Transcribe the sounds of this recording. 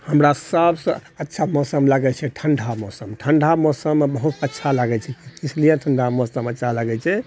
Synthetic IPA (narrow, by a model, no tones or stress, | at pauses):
həmɾasəbsə̃ətːʃʰamɔsəmləɡɛt͡ʃʰɛʈʰəɳɖʱabmɔsəmʈʰəɳɖʱabmɔsəmbəɦut̪ətːʃʰalaɡɛt͡ʃʰɛislieʈʰəɳɖʱabmɔsəmətːt͡ʃʰaləɡɛt͡ʃʰɛ